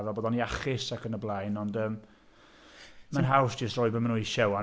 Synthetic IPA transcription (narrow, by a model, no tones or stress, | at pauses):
vaboːdɔniaχɪsakənəblˠajnɔndəːm | manɦawsd̥d͡ʒ̥əstrɔːɨbəmənuiʃɛwa